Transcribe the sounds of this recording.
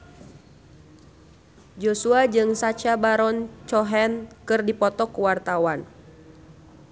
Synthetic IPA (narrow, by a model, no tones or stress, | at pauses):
d͡ʒosuad͡ʒɨŋsat͡ʃabaɾɔnt͡ʃɔɦɛnkɨrdipɔt̪ɔkuwart̪awan